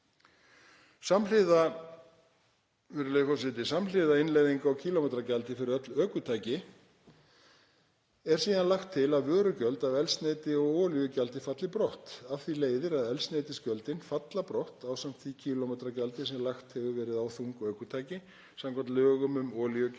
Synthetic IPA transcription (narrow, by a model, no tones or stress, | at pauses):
samlɪːða | fɪɾɪlejfɔsɪt̪̬ɪsaml̥ɪðaɪnlejðiŋkaɔcʰiːlɔmɛt̪ɾacalt̪ɪfɪɾɪɾœt̪lœːkʏt̪ʰaːjcɪ | ɛɾ̥siːðanlaxt̪ʰːɪlaðvœːɾʏcœlt̪aðɛlsneːjt̪ɪɔɣɔːljʏcalt̪ɪfat̪lɪpɾɔht̪aθileːjðɪɾaðɛlsnejt̪ɪscœlt̪ɪnfat̪lapɾɔht̪aːwsam̥t̪θicʰiːlɔmɛːt̪ɾacalt̪ɪsɛmlaxt̪hɛvʏvɛːɾɪðawθuŋkœːkʏt̪ʰaːjcɪ | samkʰant̪lœːɣʏmʏmɔːljʏ